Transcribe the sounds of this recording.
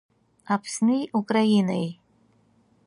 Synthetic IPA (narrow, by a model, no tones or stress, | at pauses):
apʰsnɨjukʼrajinaj